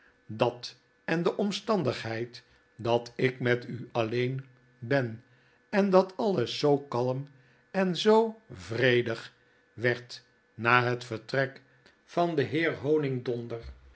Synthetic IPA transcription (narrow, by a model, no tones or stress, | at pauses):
dɑt | ɛndəʔɔmstɑndəχɦɛjt | dɑtɪkmɛtyɑlejn | bɛn | ɛndɑtʰɑləsːowkɑləm | ɛnzowvrejdəχ | ʋɛɹt | naːɦətfəɹtrɛk | fɑndəɦɪːɹɦownɪŋdɔndər